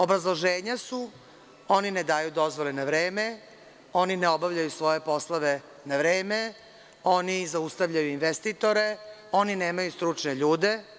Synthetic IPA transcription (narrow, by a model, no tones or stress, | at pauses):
o̞bɾazlˠoʒeːɲasu | o̞nined̪aːjud̪o̞zʋolenaʋɾeːme | o̞nineo̞bavʎajusʋo̞je̞po̞slˠaʋe | naʋɾeːme | onizaust̪aʋʎajuinʋest̪it̪o̞ɾe̞o̞nineːmajust̪ɾut͡ʂneʎuːd̪e̞